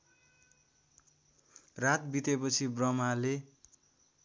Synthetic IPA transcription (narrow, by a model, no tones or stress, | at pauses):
rat̪̚bit̪epʌt͡sʰibrʌmale